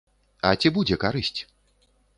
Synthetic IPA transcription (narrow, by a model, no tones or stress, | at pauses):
ɐt͡sʲibud͡zʲɛkaɾɨsʲt͡sʲ